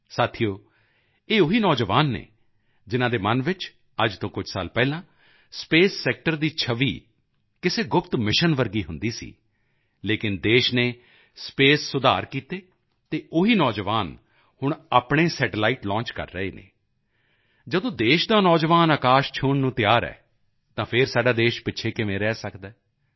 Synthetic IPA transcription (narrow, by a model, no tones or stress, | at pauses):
saːt̪ʰijoː | eːʊɦiːnɔːd͡ʒəʋaːnːḛː | d͡ʒɪnãːd̪eːmənʋɪt͡ʃ | əd͡ʒt̪õːkʊd͡ʒsa̰ːlpɛːlãː | speːsːɛːk̚ʈəɾd̪iːt͡ʃʰəʋḭː | kɪseːɡʊpt̪mɪʃənʋəɾɡiːɦʊnd̪iːsḭː | leːkɪnd̪eːʃneː | speːsːʊd̪aːɾkiːt̪eː | t̪eːʊɦiːnɔːd͡ʒʋaːn | hʊɳ̃a̰ːpɳeːsɛːʈlaːiːʈlɔ̃ːt͡ʃkə̰ɾːəḛːnḛː | d͡ʒəd̪õːd̪eːʃd̪aːnɔːd͡ʒʋaːnaːkaːʃt͡ʃʰʊɳnũːt̪ɪjaːɾɛ̰ː | t̪ãːpʰɪɾsaːɖaːd̪eːʃpɪtːʃʰeːkɪmẽːɾɛːsəkd̪ɛː